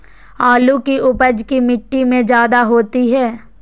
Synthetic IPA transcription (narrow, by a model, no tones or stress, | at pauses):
aːlukiʔʊpəd͡ʒkimɪʈːimẽd͡ʒjaːd̪aɦoːt̪iɦɛː